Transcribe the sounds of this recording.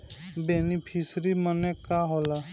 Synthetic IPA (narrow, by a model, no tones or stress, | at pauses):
beːnipʰisɾimənekaɦoːla